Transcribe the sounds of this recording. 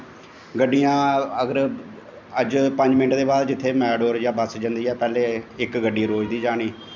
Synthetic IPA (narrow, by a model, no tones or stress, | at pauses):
ɡəɖːijãːəɡəɾ | əd͡ʒpə̃ɲd͡ʒmɪnʈd̪eːbaːɾd͡ʒɪt̪ʰːeːmɛːɖoːɾd͡ʒãːbəsd͡ʒənd̪iːɛːpɛːleːɪkɡəɖːiːɾoːd͡ʒd̪iːd͡ʒaːɽ̃iː